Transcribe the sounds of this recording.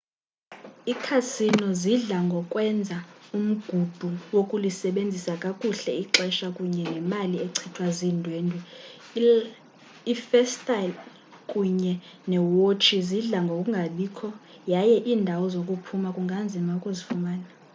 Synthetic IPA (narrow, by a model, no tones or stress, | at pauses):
ikʰasinɔziɮaŋɡʱɔkʼwɛnd͡zʱaum̩ɡ̥ʱub̥ʱuwokʼulisɛɓend͡zʱisakʼakʼuɬɛiǁɛʃakʼuɲɛnɛmalieǀʰitʰwazindʱweːndʱwɛ | ifɛstʼal | kʼuɲɛ | nɛwot͡ʃʰʼiziɮaŋɡʱokʼuŋɡʱaɓiːkʰɔ | jajɛʔiːndʱawɔzokʼupʰumakʼuŋɡʱand͡zʱimaukʼuzifumaːna